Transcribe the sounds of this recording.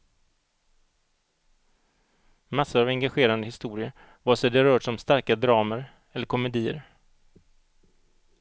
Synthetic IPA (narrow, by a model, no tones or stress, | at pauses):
masːʊɾavɛŋɡaɧeːɾand̪əhɪst̪uːɾɪə | vasɛd̪əɾœːʈʂɔmst̪aɾkad̪ɾɑːməɾ | ɛlːəɾkʰɔmɛd̪iːə̰ɾ